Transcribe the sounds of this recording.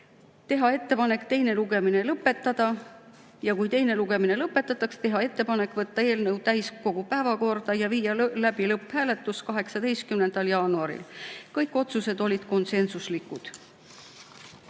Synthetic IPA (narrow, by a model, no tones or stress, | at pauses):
t̪e̞ɦɑe̞t̪ːe̞pɑne̞kt̪e̞jne̞luɡ̥e̞mine̞lɤpːˑe̞t̪ːˑɑd̪̥ɑ | jɑkujt̪e̞jne̞luɡ̥e̞mine̞lɤpːˑe̞t̪ːˑɑt̪ːˑɑkst̪e̞ɦɑe̞t̪ˑːe̞pɑne̞kːˑvɤt̪ːɑe̞ːlnɤwt̪æjsko̞ɡ̥upæːvɑko̞rd̪̥ɑjɑviːjɑlæb̥ilɤpːˑhæːle̞t̪ːˑuskɑɦe̞ksɑd̪e̞jst̪̚kymnend̪̥ɑljɑːnuɑɾḭlkɤjkːˑo̞t̪suse̞d̪o̞lʲid̪̥ko̞nse̞nsuslikːˑud̪̥